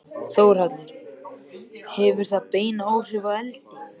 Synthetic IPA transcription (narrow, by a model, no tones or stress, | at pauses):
θoːwɾ̥at̪nʏɾ | hɛvʏɾ̥θaðpeːjnoːwr̥ɪvaɛlt̪ɪ